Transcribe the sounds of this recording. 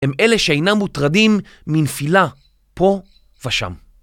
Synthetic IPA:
heme̞le̞ʃeejnamːutʁad̪imː | infila | po̞ | veʃa̰m

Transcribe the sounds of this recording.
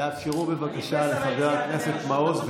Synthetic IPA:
eafʃeʁube̞vakaʃaleχaveʁakne̞se̞t̪mao̞zv

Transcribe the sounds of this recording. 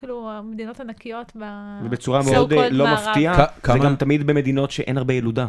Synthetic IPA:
kiluamed̪inot̪anakijot̪bavebet͡suʁameo̞d̪lo̞maft̪iazeɡamt̪amid̪beme̞d̪ino̞tʃeʔenaʁbejelud̪a

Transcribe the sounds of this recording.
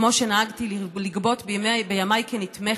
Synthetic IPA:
mo̞ʃenaaɡt̪illiɡbo̞t̪bemebejamajkenit̪me

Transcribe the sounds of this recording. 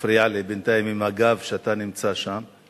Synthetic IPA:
fɾialebent̪aimimaɡavʃeat̪animt͡saʃam

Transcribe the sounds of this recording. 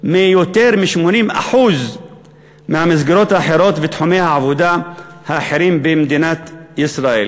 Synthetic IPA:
mijot̪eɾmiʃmonima̰ħuz | mehamazɡiɾo̞t̪haħeɾo̞t̪vet̪ħumejhaʕavod̪ahaħeɾimbemd̪inat̪isɾaḛl

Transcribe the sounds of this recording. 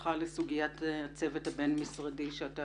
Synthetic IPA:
χalesuɡijatt͡sevethabenmisʁadiʃeata

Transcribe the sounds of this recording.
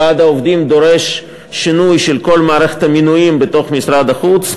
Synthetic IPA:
ad̪aovd̪imd̪o̞ɾe̞ʃ | ʃinujʃelko̞lmaːɾeχe̥t̪aminujimbet̪o̞χmisɾad̪aχut͡s

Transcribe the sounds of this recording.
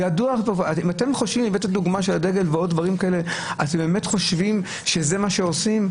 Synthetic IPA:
jaduaχvaimate̞mχoʃvimlivetaduɡmaʃelade̞ɡe̞lveo̞d̚dvaʁimkaele̞atembeːme̞tχo̞ʃvim | ʃe̞ze̞maʃeo̞sim

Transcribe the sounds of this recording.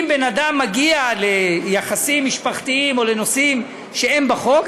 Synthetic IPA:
mbenad̪amːaɡiale̞jaχasimːiʃpaχt̪iimo̞le̞nosim | ʃe̞embaχo̞k

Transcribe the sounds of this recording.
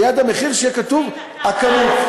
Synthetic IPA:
jad̪ameχiʁʃekat̪uv | akani

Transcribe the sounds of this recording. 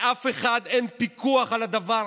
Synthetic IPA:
ʔafeχad̪enpikuaχalad̪ava

